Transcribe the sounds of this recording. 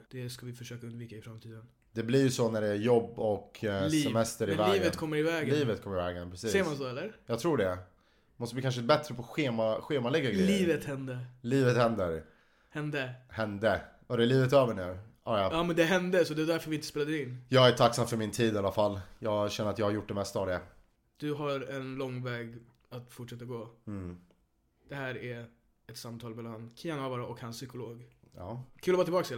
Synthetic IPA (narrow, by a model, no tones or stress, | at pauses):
d̪̥ɛskavɪfœʂøːkaɵnd̪viːkaɪfɾamt̪ʰiːd̪ən | d̪̥ɛblɪɾjɵsɔnæɖɛjɔbːɔksːɛmɛst̪əɾɪvɛlːiːvət̪kʰɔmːəɾɪvɛːɡliːvət̪kʰɔmːəɾɪvɛːɡənpʰɾɛsisːsɛjmansɔɛlːəɾjɑːɡt̪ʰɾuːɖɛ | mɔst̪əblikanʂ̬əɛt̪əbɛt̪ɾəpʰɔɧeːmaɧeːmalɛɡːaɡɾɛljiːvət̪hɛnd̪əliːvət̪hɛnd̪əɾ | hɛnd̪əhɛnd̪ə | ɔd̪ɛːɭiːvət̪øːvəɳʉ̟ːajɑɑːmɛnd̪ɛɦɛnd̪əsɔd̪ɛvad̪æɾfœɾvɪɪnt̪əspeːlad̪ɪnːjɑːɡæʈʰaksamfœɾmɪnt̪ʰiːd̪ɪalːafalːjɑːɡɕɛnəɾat̪jɑɡhaɾjʊʈ̚ːd̪ɛmɛst̪aavd̪ɛ | d̪̥ɵɦaɾɛnlɔŋːvɛːɡ | at̪fʊʈʂɛt̪ːaɡoː | d̪̥ɛhæːɾæ | ɛt̪samt̪ʰɑːlmɛlankʰɪjanavaɾaʔɔkhansːʏkʊloːɡɑ̰ːkʰʉːlɔvɑt̪ɪlbɑːkseːl